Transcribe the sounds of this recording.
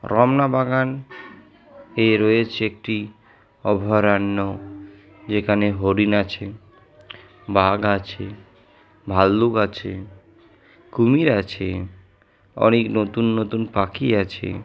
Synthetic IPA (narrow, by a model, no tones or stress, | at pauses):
ɾɔmnabaɡan | eɾoet͡ɕʰeek̚ʈi | ɔbʱɔɾanːo | d͡ʑekʰaneɦoɾinat͡ɕʰe | baɡat͡ɕʰe | bʱalːukat͡ɕʰe | kumiɾat͡ɕʰe | ɔ̰neknot̪unːot̪unpakiat͡ɕʰḛ